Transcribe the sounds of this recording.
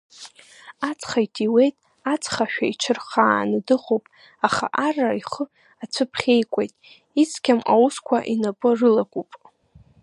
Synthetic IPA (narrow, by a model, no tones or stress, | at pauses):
at͡sʰʼχaitʰiwe̞jtʼ | at͡sʰʼχaʃᶣait͡ʃʰɨrχaːnɨdɨχowpʼ | aχa̰ʔaraiχə | at͡sʷʰɨpʰχʲe̞jkʷʼe̞jtʼ | it͡sʰkʲʰama̰wuskʷʰaʔinapʼɨrɨlakʷʼupʼ